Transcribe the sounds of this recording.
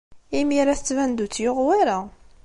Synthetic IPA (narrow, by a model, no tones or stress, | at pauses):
imiɾæθət͡sːvænd̪ut͡sːjoʁwæɾa